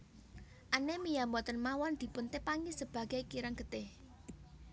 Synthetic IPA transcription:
ʔanɛmijamɔt̪ənmawɔnd̪̥i̤pʊnt̪epaŋisəb̥a̤ɡ̥a̤jkiɾaŋɡ̥ə̤t̪ɪh

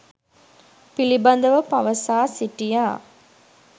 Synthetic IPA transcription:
pilibɐnd̪əʋəpɐʋəsaːsiʈijaː

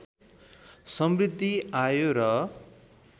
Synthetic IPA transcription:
sʌmrid̪ʱːiajoɾʌ

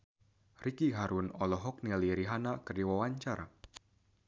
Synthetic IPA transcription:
rikiɦaɾunɔlɔɦɔk̚niliɾiɦanakərdiwawaɲt͡ʃaɾʔa̰

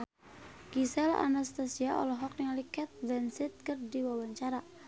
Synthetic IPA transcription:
ɡisɛla̰nast̪asiaʔɔ̰lɔɦɔk̚niŋalikɛt̪̚vɛnsɪt̪̚kərdiwawaɲt͡ʃaɾa

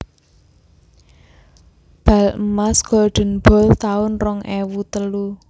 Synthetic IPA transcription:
b̥a̤ləmasɡ̥ɔɖ̪̥ə̤nb̥ɔ̤lt̪aʊnrɔŋʔewut̪əlu

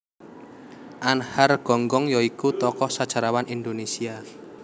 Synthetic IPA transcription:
ʔanharɡ̥ɔ̤ŋɡɔŋjɔikut̪ɔkɔsad̥ʒ̥a̤ɾawanʔind̪onesia

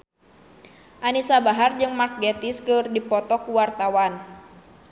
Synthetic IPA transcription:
ʔanisabaɦard͡ʒɨŋmak̚ɡɛt̪iskɨrdipɔt̪ɔkuwart̪awan

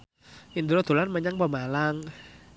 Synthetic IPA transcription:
ʔind̪uɾɔd̪̥o̤lanməɲaŋpəmalaŋ

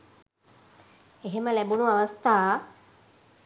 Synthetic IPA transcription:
eɦeməlæbunuaʋast̪aː

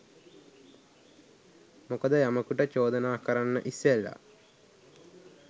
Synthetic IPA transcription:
mokəd̪əjaməkuʈət͡ʃoːd̪ənaːkəɾanːə̰ʔisːelːa̰

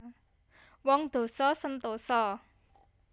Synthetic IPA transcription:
wɔŋd̪̥o̤sɔsənt̪osɔ

